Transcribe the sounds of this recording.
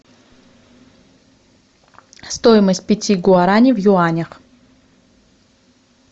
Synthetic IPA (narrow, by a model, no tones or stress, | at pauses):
st̪ojɪməsʲt̚ʲpʲɪtʲiɡʊaɾanʲɪvjʊanʲəx